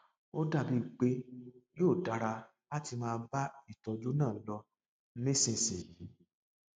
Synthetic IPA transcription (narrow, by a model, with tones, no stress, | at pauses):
o˦da˦˨bi˧˦˨ɡ͡be˨˦joː˦˨da˧ɾa˧ | a˦ti˧mãː˦˧n̩˦ba˦i˦˨tɔ˧d͡ʒu˦nãː˦˨n̩˦lɔ˧˦ | nĩ˦sĩ˧˨si˨i˨˦